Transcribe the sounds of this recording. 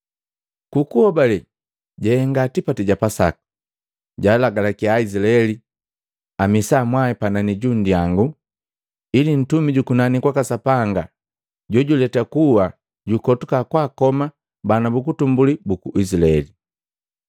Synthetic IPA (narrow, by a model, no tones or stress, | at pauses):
kukuhɔbalɛ | ɟɛhɛŋɡatipatiɟapasa̰ku̥ | ɟaːlaɡalakiaizilaɛli | amisamwaipananiɟundijaŋɡu | ilin̩tumiɟukunanikwakasapaŋɡa | ɟɔɟulɛtakuwa | ɟukɔtukakwaːkɔma | banabuk̬utumbulibukuʔisilaɛli